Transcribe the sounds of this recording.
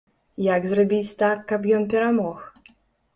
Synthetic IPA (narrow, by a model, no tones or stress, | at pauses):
jaɡzrabʲit͡sʲt̪akːɐpjɔnpʲɛɾamɔx